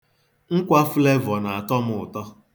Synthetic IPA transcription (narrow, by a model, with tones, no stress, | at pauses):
ŋ̩˦kʷa˦fle˦vɔ˨na˨a˨tɔ˦mʊ˨ʊ˨tɔ˦